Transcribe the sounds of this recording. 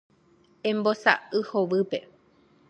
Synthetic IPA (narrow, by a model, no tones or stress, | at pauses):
ẽmbosa̰ɨhoʋɨpe̞̰